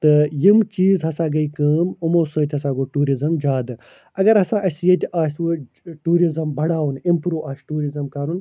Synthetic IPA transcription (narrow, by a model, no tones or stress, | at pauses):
t̪ɨjimt͡ʃiːzɦɐsaːɡɐikɐːmumoːsoːt̪ʲɦɐsãːɡoʈuːɾizɐmd͡ʒaːd̪ɨ | ɐɡɐɾɐsãːʔɐsijet̪ʲaːswo | ʈuːɾizɐmbʱɐɽaːwunimpɾuːʔaːsʈuːɾizɐmkaːɾun